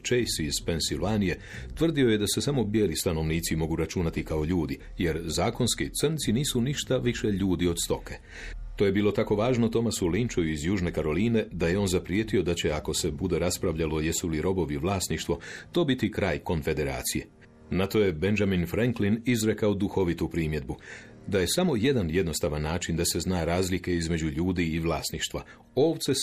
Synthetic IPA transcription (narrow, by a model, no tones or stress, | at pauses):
t͡ʃejsiiz̥pe̞nsilʋanije̞ | t̪ʋr̩d̪io̞je̞d̪ase̞samo̞bjeːlist̪ano̞ʋniːt̪simo̞ɡuɾat͡ʃunat̪ikao̞ʎuːd̪i | je̞ɾzaːko̞nskit̪sr̩nt̪siniːsuniʃt̪aʋiʃe̞ʎuːd̪io̞d̪st̪o̞ke | t̪oje̞biːlˠo̞t̪ako̞ʋaːʒnot̪o̞masulint͡ʃojuizjuːʒne̞kaɾo̞liːne̞d̪aje̞o̞ːnzapɾjeːt̪io̞d̪at͡ɕe̞ako̞se̞bud̪e̞ɾaspɾaʋʎalo̞je̞suliɾo̞bo̞ʋiʋlˠaːsniʃt̪ʋo̞t̪o̞ːbit̪ikɾaːjko̞nfe̞d̪e̞ɾa̰ːt̪sije̞ | nat̪o̞je̞be̞nd͡ʒaminfɾaŋklinizɾe̞kaod̪uxo̞ʋit̪upɾiːmje̞d̪̚bu | d̪aje̞samo̞je̞d̪anje̞d̪no̞st̪aʋanːaːt͡ʃind̪ase̞znaːɾaːzlike̞izme̞d͡ʑuʎuːd̪iːʋlˠaːsniʃt̪ʋa | o̞ːʋt̪se̞